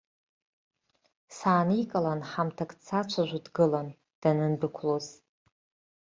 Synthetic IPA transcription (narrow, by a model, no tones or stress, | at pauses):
saːnikʼalanħamtʰakʼt͡sʰat͡ʃʷʰaʒʷᶣadɡɨlan | d̥anɨnbɨkʷʰloz